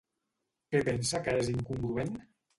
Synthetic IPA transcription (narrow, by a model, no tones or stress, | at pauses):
kepensakaeziŋkuŋɡɾuen